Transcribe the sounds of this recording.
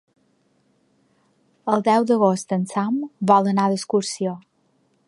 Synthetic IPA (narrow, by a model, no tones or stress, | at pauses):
əlˠd̪ɛwd̪əɣ̞ost̪ənsambɔlˠənaðəskuɾsio